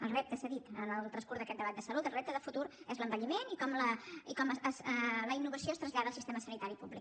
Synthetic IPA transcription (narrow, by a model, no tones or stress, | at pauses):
əlˠrɛp̚t̪əsəðit̪ənəlˠt̪ɾənskuɾðəkɛt̪̚d̪əβat̪̚d̪əsəlut̪əlˠrɛp̚t̪əðəfut̪uɾɛzləmbəʎimenikɔmləikɔməsləinːuβəsioest̪ɾənzʎaðəlˠsist̪eməsənit̪aɾipublik